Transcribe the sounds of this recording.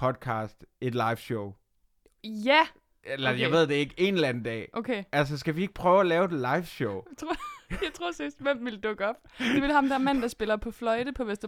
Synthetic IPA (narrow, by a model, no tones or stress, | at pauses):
pʰɒ̽d̥̚kʰɑ̈ːsd̥e̝d̥lɑ̈ɪfɕoʊ | jæ | elɐjäʋe̝ð̰ˠd̥ee̝ɡ̥e̝nelænəd̥ɛ̰ːʔokʰeæls̬ɐs̬ɡ̥æʋie̝ɡ̥̚pʰʁœːʊælɛːʊed̥lɑ̈ɪfɕoʊt͡sʰʁojɑ̈ɪt͡sʰʁo̝ɐ̰sisd̥ʋemʋe̝ld̥ɔ̽ɡ̥əɒ̽b̥d̥e̝ʋe̝lɑmd̥ææɐmæn̰d̥ɑ̈sb̥e̝lɐpʰɒ̽flɒ̽ɪd̥əpʰɒ̽ʋesd̥ɐ